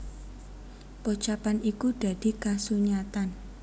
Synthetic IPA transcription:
pɔt͡ʃapanikud̪̥ä̤d̪̥i̤kasuɲat̪an

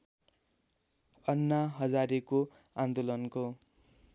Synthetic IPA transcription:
ʌnːaɦʌd͡zaɾekoãnd̪olʌnko

